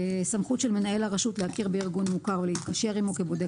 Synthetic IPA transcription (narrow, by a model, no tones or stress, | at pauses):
samχut̪ʃelme̞nae̞laʁaʃutlehakiʁbeiʁɡunmukaʁvelehit̪̚kaʃe̞ʁimukebo̞de